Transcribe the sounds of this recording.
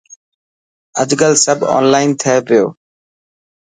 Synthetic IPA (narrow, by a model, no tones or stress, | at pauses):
əd͡ʒɡəlsəbʱɔ̰ːnlaːɪnt̪ʰəeʋɪjo̰ː